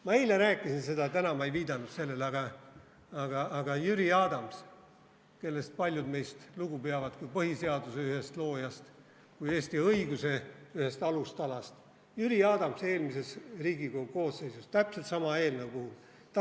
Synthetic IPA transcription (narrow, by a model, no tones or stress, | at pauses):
mɑijlːeɾæːkːˑisinse̞d̪ɑt̪ænɑmɑejviːd̪̥ɑnud̪se̞lːe̞lɑɡ̥ɑ | ɑɡ̥ɑːɡ̥ɑjyɾiɑːd̪̥ɑms | ke̞lːe̞st̪̚pɑlʲjud̪me̞jst̪luɡ̥upeɑvɑd̪kujpɤɦise̞ɑd̪̥use̞yhe̞st̪lo̞ːjɑst̪ | kujeːst̪iɤiɡ̥use̞yhe̞st̪ɑlust̪ɑlɑst̪ | jyɾiɑːd̪̥ɑmse̞ːlmise̞sriːɡikoko̞ːsːe̞jsust̪æpse̞lt̪sɑmɑe̞ːlnəwpuhul | t̪